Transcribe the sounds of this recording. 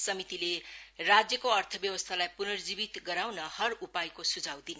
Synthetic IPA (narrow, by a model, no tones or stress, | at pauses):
sʌmit̪ilerad͡zjʌkoʌrt̪ʰʌbjʌwʌst̪ʰalajpunʌrd͡zibit̪ɡʌɾawnʌhʌrupajkosud͡zʱawd̪inʌ